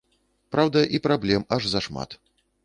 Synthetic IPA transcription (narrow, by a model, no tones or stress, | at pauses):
pɾawd̪ɐʔipɾablʲɛmɐʐzɐʂma̰t̪